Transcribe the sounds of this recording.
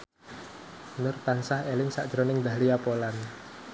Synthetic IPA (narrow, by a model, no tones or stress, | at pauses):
nʊrt̪ansahelɪŋsa̰ʔd̥ʒ̥ɾonɪŋd̪a̤liapolan